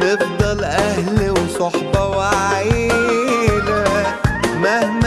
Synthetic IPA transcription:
efd̪ˤɑlʔæhlwsˤɑħbɑwaʕiː | læ | mæhm

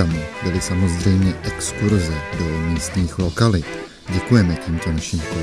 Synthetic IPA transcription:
amubɪlɪsamo̞zrɛjmɲɛʔɛkskuɾzɛdomiːst̪ɲiːxlo̞kalɪt̪ | ɟɛkujɛmɛciːmt̪onaʃiːmko

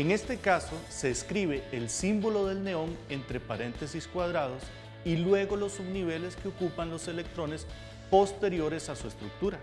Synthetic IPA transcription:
eŋe̞st̪e̞kaso̞se̞eskɾiβe̞ːlsimbo̞lo̞ðe̞lne̞o̞ŋe̞nt̪ɾe̞paɾe̞nt̪e̞siskwað̞ɾað̞o̞s | ilwe̞ɣo̞lo̞sːuβniβ̞e̞le̞skeokupanlo̞se̞le̞k̚t̪ɾo̞ne̞s | po̞st̪e̞ɾjo̞ɾe̞sasue̞st̪ɾuk̚t̪uɾa

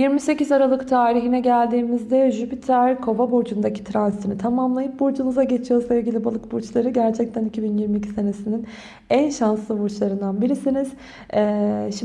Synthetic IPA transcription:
jiɾmise̞cizaɾalˠɯkt̪ʰaːɾiɦinɛɟælʲd̪iːmizd̪ɛʒypit̪ʰæɾkʰo̞vabod͡ʒund̪acʰi̥t̪ʰɾanzit̪ʰinit̪ʰamamlˠajɯp̚bod͡ʒunuzaɟet͡ʃʰijoslˠailʲɟilʲibalˠɯkbuɾt͡ʃlˠaɾɯɟæɾt͡ʃʰɛc̚t̪ʰænicʰibinjiɾmiːcʰi̥se̞ne̞sinin | ænʃanslˠɯβuɾt͡ʃlˠaɾɯnd̪anbiɾisiniz̥ | ɛːʃ

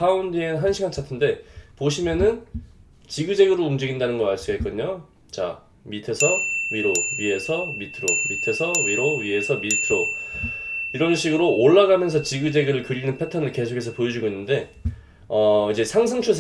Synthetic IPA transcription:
aundieɯnɦanɕʰiɡant͡ɕʰatʰɯnde̞poɕʰimjʌnɯn | t͡ɕiɡɯd͡ʑe̞ɡɯɾɯɭumd͡ʑiɡindanɯnɡʌmaɭs͈uɡek͈ɯdɲo | t͡ɕa̰ | mitʰe̞sʰʌɥiɾoɥie̞sʰʌmitʰɯɾomitʰe̞sʰʌɥiɾoɥie̞sʰʌmitʰɯɾo | iɾʌnɕʰiɡɯɾooɭːaɡamjʌnsʰʌt͡ɕiɡɯd͡ʑe̞ɡɯɾɯɭkɯɾinɯnpʰe̞tʰʌnɯɭke̞sʰokʰe̞s̬ʰʌpojʌd͡ʑuɡoinːɯnde̞ | ʌid͡ʑe̞sʰaŋsʰaŋt͡ɕʰusʰ

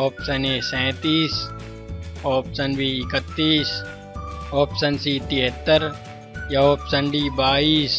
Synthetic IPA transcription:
oːpsɐneːsɛ̃ːt̪iːs | oːpsənbiɪkət̪ːiːs | oːpsənsiːt̪iɦət̪ːəɾ | jɐoːpsəɳɖiːbaːiːs

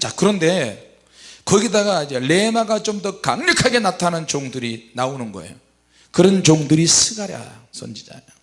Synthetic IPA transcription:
t͡ɕakɯɾʌnde̞ | kʌɡidaɡaid͡ʑele̞naɡat͡ɕomdʌkaŋɲʌkʰaɡe̞natʰanɯnt͡ɕoŋdɯɾinaonɯnɡʌḛjo | kɯɾʌnt͡ɕoŋdɯɾisʰɯɡaɾja̰sʰo̰nd͡ʑid͡ʑa̰jo

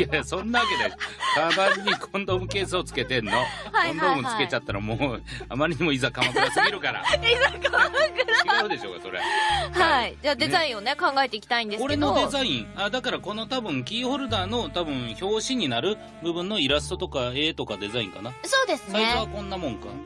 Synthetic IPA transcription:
jajasõ̞nːaβake̞d̪eskamaɾiɲikʰõnd̪oːmɯ̟ke̞ːsaot͡sɨ̥ke̞t̪ẽ̞nːo̞haõnd̪oːmɯɨke̞t͡ɕat̪ːaɾa̰moːa̰maɾʲiɲ̟imo̞izakamakɯaseɡiɾɯ̟kaɾa̰izakamakɯiɡaɯ̟d̪e̞ɕo̞̰ːka̰so̞ɾehaid͡ʑaːd̪e̞zaĩone̞kãŋɡaet̪e̞ikʲi̥t̪aĩnd̪e̞ko̞ɾe̞nod̪e̞zaĩɴad̪akaɾako̞no̞t̪abɯ̟̃ŋkʲiːho̞ɾɯ̟d̪aːno̞t̪abɯ̟̃ɰ̃ço̞ːɕiɲ̟inaɾɯ̟ | bɯ̟bɯ̟̃nːo̞iɾasɨ̥t̪ot̪o̞kae̞ːt̪o̞kad̪e̞zaḭ̃ŋkanaso̞ːd̪e̞sɨsaiɕoβakõ̞nːamõ̞ŋka̰

